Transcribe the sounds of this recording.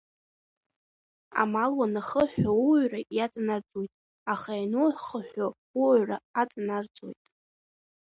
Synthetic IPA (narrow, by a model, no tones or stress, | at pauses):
a̰malwanaχəħʷᶣauɥrajat͡sʼnart͡sʼojtʼ | aχajanuħʷχəħᶣʷa | uɥraat͡sʼnart͡sʼo̰jtʼ